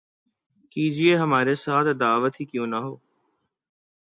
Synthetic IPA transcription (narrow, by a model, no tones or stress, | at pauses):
kiːd͡ʒieɦəmaːɾesaːt̪ʰd̪aːʋət̪iːkjõːnəɦoː